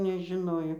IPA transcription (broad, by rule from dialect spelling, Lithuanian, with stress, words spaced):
nʲɛʒʲɪˈnoːjoː